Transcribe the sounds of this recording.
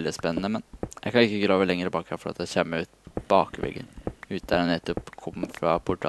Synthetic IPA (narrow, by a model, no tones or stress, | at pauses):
ld̪ɪspɛnːənəmɛnjæɪkɑnɪkːəɡɾɑːʋəlɛŋəɾəbɑːkɛnfɔɾɑt̪d̪æɪçɛmːəʉːt̪b̥ɑːkʋɛ̰ɡːə̰nʉːəd̪æɾɛnɛt̪ːɔpːkʰɔmfɾɑpʰʊʈɑ